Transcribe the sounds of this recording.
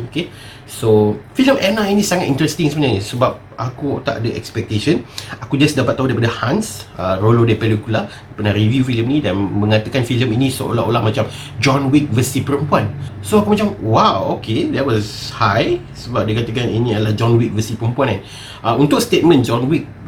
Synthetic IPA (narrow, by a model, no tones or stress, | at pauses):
oke | sofiləmʔɛnainĩsaŋat̪ḭ̃nt̪ɾɛst̪iŋsəməɲanisəbap̚ʔakut̪a̰ʔdəʔɛ̰kspɛk̚t̪eʃənakud͡ʒasdapat̪̚ːaɦudajpadəhãnsərolodaipəlikuladapənaɾivjufiləmnĩdanmə̃ŋat̪əkanfiləminĩsə̰ʔo̰laʔo̰lahmat͡ʃam | d͡ʒɔ̃nwik̚vəsipəɾəmpuansoakumat͡ʃamwawokedɛʔwɔshaj | səbap̚diəkat̪əkaninĩadəlahd͡ʒɔ̃nwik̚vəsipəɾəmpuanɛ̃n | ʔaunt̪ʊk̚st̪et̪̚mə̃nd͡ʒɔ̃nwik̚